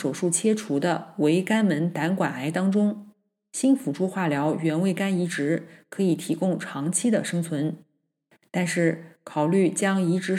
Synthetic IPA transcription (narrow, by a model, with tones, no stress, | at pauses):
ʂo˨˩ʊʂu˥˩t͡ɕʰjɛ˥ʈ͡ʂʰu˧˥d̪ə˧we˧˥ɪka˥nmə˧˥nt̪a˧˥nkwa˨˩na˧˥ɪt̪ɑ˥ŋʈ͡ʂʊ˥ŋ | ɕi˥nfu˨˩ʈ͡ʂʰu˥xwa˥˩ljɑ˧˥ʊɥɛ˧˥nwe˥˩ɪka˥ni˧˥ʈ͡ʂɻ̩˧˥kʰɤ˧˥i˨˩t̪ʰi˧˥kʊ˥ŋʈ͡ʂʰɑ˧˥ŋt͡ɕʰi˥d̪ə˨ʂɤ˥ŋt͡sʰwə˧˥n | t̪a˥˧nʂɻ̩˥˩kʰɑ˨˩ʊly˥˩t͡ɕjɑ˥ŋi˧˥ʈ͡ʂɻ̩˧˥